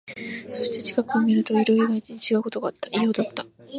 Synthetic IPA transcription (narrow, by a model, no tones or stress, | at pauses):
so̞ɕi̥t̪e̞t͡ɕi̥kakɯ̟omʲiɾɯ̟t̪o̞eɾo̞iɡait̪iɲ̟it͡ɕiɡaɯko̞t̪o̞ɡaːt̪ːḁʔijod̪at̪ːa